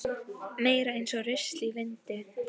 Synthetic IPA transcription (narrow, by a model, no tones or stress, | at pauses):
meːjɾaejnsɔɣrɪst̪livɪnt̪ɪ